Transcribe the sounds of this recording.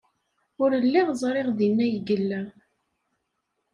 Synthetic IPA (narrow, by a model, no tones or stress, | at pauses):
ʊɾəlːiʁzˤɾˤeʁðinːæjɡəlːæ